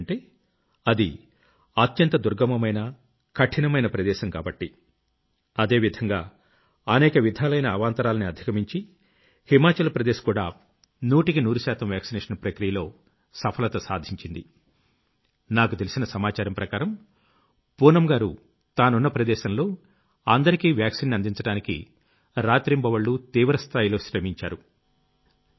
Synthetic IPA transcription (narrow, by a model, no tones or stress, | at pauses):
ɳʈeː | ɐd̪ḭ | ɐt̪jɐnt̪ɐd̪uɾɡɐmɐmɐjnɐ | kɐʈʰinɐmɐjnɐpɾɐd̪ɛːʃɐmka̰ːbɐʈːi | ɐd̪e̞ːʋid̪ʱɐŋɡaː | ɐnɛːkɐʋid̪ʱaːlɐjnɐːʋaːnt̪ɐɾaːlɐniɐd̪ʱi̥kɐmiɲt͡ʃi | himaːt͡ʃɐlpɾɐd̪eːʃkuːɽaː | nuːʈikinuːɾuʃaːt̪ɐmʋjaːksinɛːʂɐnpɾɐkɾijɐlo̞ː | sɐpʰɐlɐt̪ɐsaːd̪ʱiɲt͡ʃind̪i | naːkut̪elisinɐsɐmaːt͡ʃaːɾɐmpɾɐkaːɾɐm | puːnɐmɡaːɾu | t̪aːnunːɐpɾɐd̪ɛːʃɐnlo̞ː | ɐnd̪ɐɾikiːʋjaːksinːiɐnd̪iɲt͡ʃɐɽaːnikḭ | ɾaːt̪ɾimbɐʋɐɭːut̪iːʋɾɐst̪ʰaːjilo̞ːʃɾɐmiɲt͡ʃaːɾu